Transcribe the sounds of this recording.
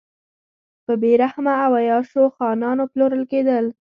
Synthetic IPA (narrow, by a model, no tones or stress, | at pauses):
pəbeɾahmaːwajɑʃoxɑnɑnoploɾəlked̪əl